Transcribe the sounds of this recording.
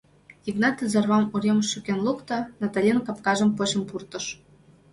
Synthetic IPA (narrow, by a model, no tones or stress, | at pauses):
iɡnɑt̪əzɑrβɑmuɾʲeməʃːykenlukt̪ɑnɑt̪alʲenkɑp̚kɑʒə̆mpot͡ɕə̆mpurt̪ə̆ʃ